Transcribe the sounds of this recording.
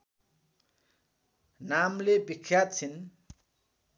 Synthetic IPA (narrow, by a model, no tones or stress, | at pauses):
namlebikʰːjat̪̚t͡sʰin